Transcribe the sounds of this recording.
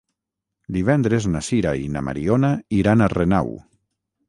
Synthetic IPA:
d̪iβ̞ɛnd̪ɾeznasiɾaina̰ma̰ɾionaiɾanarena̰w

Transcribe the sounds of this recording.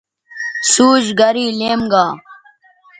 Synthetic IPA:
suːd͡ʑɡɐɾiːleːmɡaː

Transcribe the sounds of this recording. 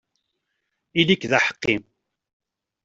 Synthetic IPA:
ilikðaħə̥qːim

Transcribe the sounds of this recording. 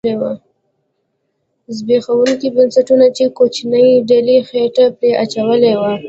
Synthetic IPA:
ewa | zbexawuŋkibənsaʈunat͡ʃekot͡ʃnəjɖalixeʈapɾeʔat͡ʃawəlewa

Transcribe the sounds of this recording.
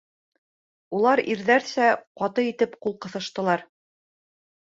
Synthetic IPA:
ulˠɑɾiɾðæɾsæqɑt̪ɤit̪ɘpqulˠqɤ̆θɤ̆ʃt̪ɤ̆lˠɑɾ

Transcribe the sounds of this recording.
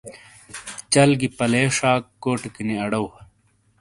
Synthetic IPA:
t͡ɕɐlɡipɐleːʂaːkːoːʈkiniɐɽɐw

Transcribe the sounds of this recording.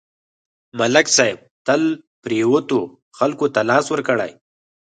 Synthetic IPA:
maləksajb̚t̪əlpɾewot̪o | xalkot̪alɑːswəɾkəɽa̰j

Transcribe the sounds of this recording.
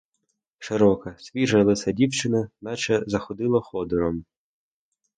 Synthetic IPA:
ʃɪɾɔkɐsʲʋʲiʒɐlˠɪsʲɐdʲiwt͡ʃɪnɐnɑt͡ʃɛzɐxɔd̪ɪlˠɐxɔd̪ɔɾɔm

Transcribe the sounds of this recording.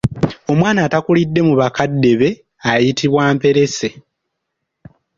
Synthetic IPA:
o̞mwaːnaːtakulidːe̞muβakadːe̞βe̞ | ajitiβwaːmpe̞ɾe̞se̞

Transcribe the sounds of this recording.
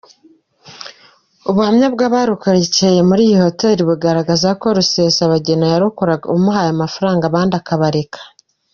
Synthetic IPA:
uβuhamɲab̚ɡaːβaːɾukaɾiceje̞muɾiːjiho̞te̞ːɾiβuɡaɾaɡazako̞ɾuse̞saβaɟe̞najaɾukoɾaɡaumuɦajamafaɾaːŋɡaβaːndakaβaɾe̞kʰḁ

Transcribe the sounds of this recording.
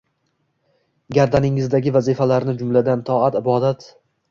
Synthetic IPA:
ɡʲaɾd̪anɪŋɪzd̪aɡʲɪvazifalaɾnɪd͡ʒʊmlad̪ant̪ʰɒat̪ɪbɒd̪at̪

